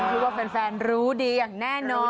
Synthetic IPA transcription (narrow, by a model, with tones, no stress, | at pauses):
k̪ʰi˦˥t̪̚waː˥˩pe˧nfɛː˧nɾuː˦˥diː˧jaː˨˩ŋnɛː˥˩nɔː˧